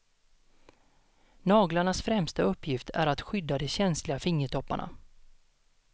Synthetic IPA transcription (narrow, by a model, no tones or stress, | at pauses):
nɑːɡlaɳasfɾɛmst̪aɵpʰːjɪft̪ʰæ̰ɾat̪ɧʏd̪ːad̪ɛɕɛnslɪɡafɪŋːəʈʰɔpːa̰ɳa̰